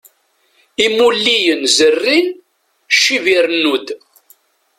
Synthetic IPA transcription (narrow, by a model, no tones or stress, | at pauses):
imulːijənzərːin | ʃːiviɾnːud̪